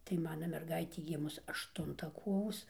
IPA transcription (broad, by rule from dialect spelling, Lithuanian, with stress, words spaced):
tɐɪ ˈmɑːnɐ mʲɛrˈɡɐɪtʲeː ˈɡʲɪmʊs ɐʃˈtʊntɐ ˈkoːʋoːs